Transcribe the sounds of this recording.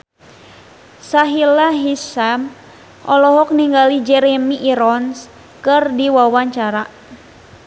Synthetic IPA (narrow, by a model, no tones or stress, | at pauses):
saɦilaɦisam | ʔɔlɔɦɔk̚niŋɡalid͡ʒɛɾɛmiʔːɾɔns | kɨrdiwawaɲt͡ʃaɾa